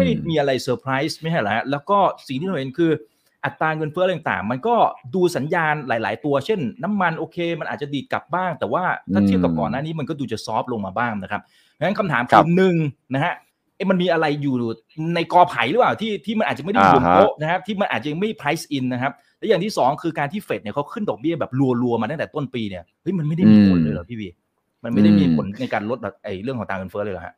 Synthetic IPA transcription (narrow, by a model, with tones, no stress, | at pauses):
ma˥˩jmiː˧ʔa˧ɾa˧jsɤː˧pʰɾa˦˥jsma˥˩t͡ɕʰa˥˩la˦˩ha˦˥lɛː˦˥wkɔː˥˩si˨˩ŋt̪ʰiː˥˩˧e˧nkʰɯː˧ | ʔa˨˩t̪ːaː˧ŋɤ˧nfə˧˦˥j̪ta˨˩t̪a̰ː˨˩ŋma˧nkɔː˥˩duː˧sa˩˦njaː˧nlaː˨˩˦jla̰ː˩˦jt̪u˧ɐt͡ɕʰe˥˩nːa˦˥mːa˧nʔoː˧kʰeː˧ma˧nʔaː˨˩t̪̚t͡ɕa˨˩diː˨˩t̪̚kla̰˨˩p̚baː˥˩ŋt̪ɛː˨˩waː˥˩t̪ʰaː˥˩t̪ʰi˥˩əpka˨˩p̚kɔ̰ː˨˩nːaː˥˩niː˦˥ma˧nkɔ˥˩duː˧t͡ɕa˨˩sɔː˦˥p̚lo˧ŋmaː˧baː˥˩ŋna˦˥kʰa˦˥p̚ | a˧˩na˦˥kʰa˧mt̪ʰaː˩˦mkʰi˩˨˩mnɯ˨˩ŋna˦˥kʰa˦˥ʔ | a˦˥˩ma˧nmiː˧ʔa˧ɾa˧jjuː˨˩˨ | na˧jkɔː˧pʰa˩˦jlɯː˩˦paː˨˩wt̪ʰiː˥˩t̪ʰiː˥˩ma˧nʔaː˨˩t̚t͡ɕa˨˩a˥˩da˥˨˩o˦˥ʔ̚na˦˥kʰa˦˥t̪ʰiː˥˩ma˧nʔaː˨˩t̪̚t͡ɕa˧jŋma˥˩jpʰɾa˦˥jsʔi˧nːa˦˥kʰa˦˥p̚ | lɛ˦˥jaː˨˩ŋt̪ʰiː˥˩sɔː˩˦ŋkʰɯː˧kaː˧nt̪ʰiː˥˩fe˨˩t̪̚ni˥˩kʰa˦˥wkʰɯ˥˩ndɔː˨˩k̚bi˥˩əbɛː˨˩p̚lu˧əlu˧əmaː˧t̪a˥˩ŋt̪ɛː˨˩t̪o˥˩npiː˧ni˥˩ɐhɤ˦˥jma˧nma˥˩jda˥˩jmiː˧pʰo̰˨˩˦nlɤː˧jlɔ˨˩˦pʰiː˥˩wiː˧˩ | ma˧nma˥˩jda˥˩jmiː˧pʰo˩˦nna˧jkaː˧nlo˦˥t̪̚bɛː˨˩p̚ʔa˧˩jɾɯ˥˩ŋkʰːɔː˨˩˦ŋt̪aː˧ŋɯ˧nfɤː˦˥lɤː˧jlɔ˨˩ɦa̰˦˥ʔ